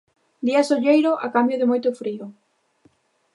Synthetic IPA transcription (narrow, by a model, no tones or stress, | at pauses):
d̪iasoʎejɾʊʔakambjoðɪmojt̪ʊfɾiʊ